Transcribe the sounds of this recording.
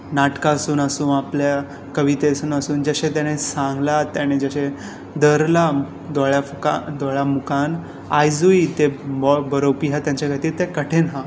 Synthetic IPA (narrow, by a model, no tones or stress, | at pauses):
naʈkaəsuːnəsuːnaplja | kəʋit̪eəsuːnəsuːnd͡ʑəɕẽt̪jañesãŋɡlat̪jaɽ̃ed͡zəɕẽ | d̪əɾla | d̪ɔɭjakad̪ɔɭjamukan | ajd͡zuit̪ebbəɾopiɦãt̪jaɲt͡ɕakat̪iːɾt̪ekəʈʰenɦã